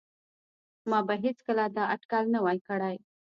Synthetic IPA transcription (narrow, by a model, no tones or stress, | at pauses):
mɑbaɦet͡skəlad̪ɑaʈkalnawajkəɽaj